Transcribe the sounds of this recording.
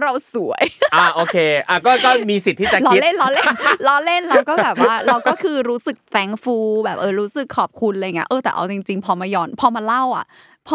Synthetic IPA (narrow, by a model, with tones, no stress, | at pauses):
ɾa˧wsu˨˩˦ɐjʔa˧˩ʔoː˧˩kʰeː˧ʔa˧˩kɔː˥˩kɔː˥˩miː˧si˨˩t̪ʰːiː˥˩t͡ɕa˨˩laː˧i˦le˥˩nlɔ˦˧˥le˥nlɔː˦˧˥le˥˩nɾa˧wkɔː˥˩bɛː˨˩p̚wa˧aː˥˩ɾa˧wkɔ˥˩kʰɯː˧ɾuː˦˥sɯ˨˩k̚t̪ɛː˨˦ŋfuː˧bɛː˨˩p̚ʔɤː˧ɾuː˦˥sɯ˨˩kʰːɔː˨˩p̚kʰu˧nlɤ˧jŋi˦ɐʔɤː˧t̪ɛː˨˩ʔa̰˧wt͡ɕi˧ŋt͡ɕi˧ŋpʰɔː˧ma˧jɔː˧npʰɔː˧maː˧la˥˩wʔa̰˨˩ | pʰɔ˧